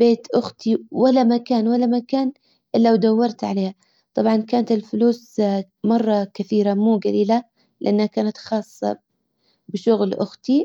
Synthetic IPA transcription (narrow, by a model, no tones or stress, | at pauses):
beːt̪ʔʊxt̪iwalːamakaːnwalːamakaːn | ʔɪlːawd̪awːɑɾˤt̪ʕaleːha | t̪ˤɑbʕɑnkaːnat̪ɪlfʊluːs | mɑrˤːɑkɪθiːɾamuːɡaliːla | lɪʔanːhakaːnat̪xɑːsˤːɑ̰ | bɪʃʊɣlʔʊxt̪i